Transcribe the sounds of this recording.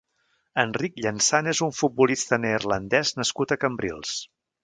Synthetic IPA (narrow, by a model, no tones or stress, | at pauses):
ənrikʎənsanezuɱfut̪̚bulist̪ənerlənd̪ɛznəskut̪əkəmbɾḭlˠs